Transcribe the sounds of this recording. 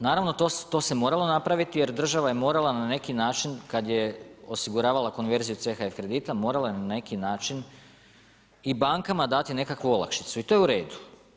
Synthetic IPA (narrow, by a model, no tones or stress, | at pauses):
naːɾaʋno̞t̪ost̪o̞se̞mo̞ːɾalˠo̞napɾaʋit̪ije̞ɾd̪r̩ʒaʋaje̞mo̞ɾalˠanane̞kinaːt͡ʃinkad̪je̞o̞siɡuɾaːʋalˠako̞nʋe̞ɾzijut̪se̞xaefkɾe̞d̪iːt̪amo̞ːɾalˠajenane̞kinaːt͡ʃin | ibaŋkamad̪at̪ine̞kakʋuo̞lˠa̰kʃi̥t̪suit̪o̞jeuɾe̞ːd̪u̥